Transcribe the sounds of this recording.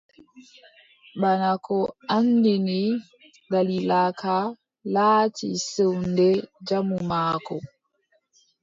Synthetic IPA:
ɓanakʰɔandini | ɡalilakʰa | laːtḭsewndɛd͡ʒamumaːkɔ

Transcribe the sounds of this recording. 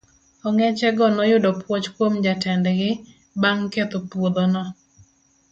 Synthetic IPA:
ɔŋɛt͡ʃɛɡɔnɔjʊdɔpwot͡ʃkwomd͡ʒatɛndɛɡɪ | baŋket̪opwod̪onɔ

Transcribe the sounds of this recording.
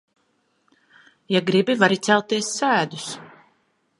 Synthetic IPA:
jaɡɾibivaɾit̪sælˠt̪iɛsːæːd̪us

